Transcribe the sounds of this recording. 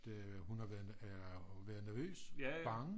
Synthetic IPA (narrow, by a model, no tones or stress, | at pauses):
d̥hunhɑ̈ʋæɐ | ʋæːɐðˠnæɐʋø̰ːsb̥ɑ̈ŋə